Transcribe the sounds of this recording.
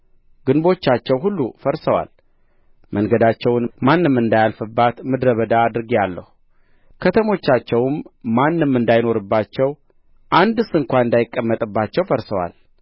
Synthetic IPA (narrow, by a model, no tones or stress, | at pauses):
ɡɨnbo̞t͡ʃːat͡ʃːɛwɦulːufəɾsəwa̰l | mʔəŋɡəd̪at͡ʃːɛwnmanːɨmːɨnd̪ajalfɨbːat̪mɨd̪ɾəβəd̪aːd̪ɨɾɡijalːəhu | kʰət̪ʰəmo̞t͡ʃːat͡ʃːɛwmːanːɨmːɨnd̪ajno̞ɾɨbːat͡ʃːɛw | ʔand̪ɨsɨŋkʷanɨnd̪ajɪkʼːəmːət̪ʼɨbːat͡ʃːɛwfəɾsəwa̰l